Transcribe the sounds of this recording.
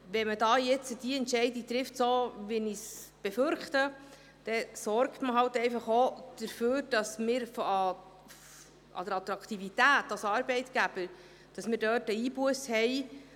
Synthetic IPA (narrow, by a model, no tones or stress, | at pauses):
ʋɛmədɑːjɛt͡səd̥iɛntʃɛɪdit̪ɾɪftsoːʋinisb̥ɛføɾχtə | d̥ɛsɔɾktməɦɑwtɛɪfɑχod̥əɾføːɾd̥ɑsmɪːɾfɑ | ɑ̰dəɾɑt̪ɾɑkt̪ivitæːtɑsɑːɾbɛɪtɡ̥æb̥ə | d̥ɑsmɪːɾdøːtəiːbuəshɛj